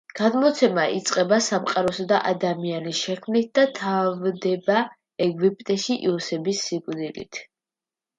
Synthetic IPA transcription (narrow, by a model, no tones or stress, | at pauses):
ɡ̥ad̪mɔt̪sʰɛmait̪sʼqʼɛbasamqʼaɾɔsad̪aʔad̪amianisʃɛkʰmnit̪̚ʰd̪at̪ʰavd̪ɛba | ɛɡwipʼt̪ʼɛʃiʔḭɔsɛbisːikʼd̪ilḭt̪ʰ